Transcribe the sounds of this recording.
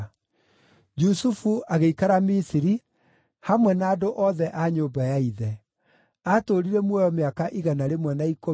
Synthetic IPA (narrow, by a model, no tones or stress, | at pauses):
d͡ʒusufuaɣeikaɾamisiɾi | hamwɛnaːdoʔɔðɛʔaɲoːbajaiðɛ | atoːɾiɾɛmwɔjɔmeakaʔiɣanaɾemwɛnaiko